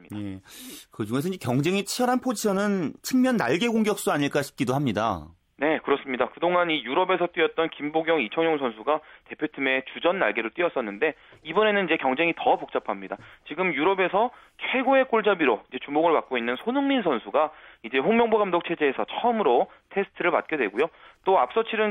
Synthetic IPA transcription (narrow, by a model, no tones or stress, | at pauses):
je̞kɯd͡ʑuŋesʰʌid͡ʑekjʌŋd͡ʑe̞ŋit͡ɕʰiʌɾanpʰod͡ʑiɕʰʌnɯnt͡ɕʰɯŋmjʌnːaɭɡe̞ɡoŋɡjʌk̚s͈uaɲiɭk͈aɕʰi̥p̚k͈idohamɲida̰ | ne̞kɯɾʌs͈ɯmɲidakɯdoŋanijuɾʌbe̞sʰʌt͈ɥiʌt̚t͈ʌnkimboɡjʌŋit͡ɕʰʌŋjoŋsʰʌnsʰuɡate̞pʰjotʰɯme̞t͡ɕud͡ʑʌnːa̰ɭɡe̞ɾot͈iʌs͈ʌnːɯnde̞ | ibʌne̞nɯnid͡ʑe̞kjʌŋd͡ʑe̞ŋitʌpok̚t͡ɕ͈apʰamɲida̰t͡ɕiɡɯmjuɾʌbe̞sʰʌ | kʰeɡoe̞k͈oɭd͡ʑabiɾoid͡ʑe̞t͡ɕumoɡɯɭpak͈oinːɯnsʰonɯŋminsʰʌnsʰuɡaid͡ʑe̞ɸoŋmjʌŋboɡamdok̚t͡ɕʰe̞d͡ʑe̞ːsʰʌt͡ɕʰʌɯmɯɾo | tʰe̞sʰɯ̥tʰɯɾɯɭpa̰t̚k͈edwe̞ɡojot͈oap̚s͈ʌt͡ɕʰiɾɯn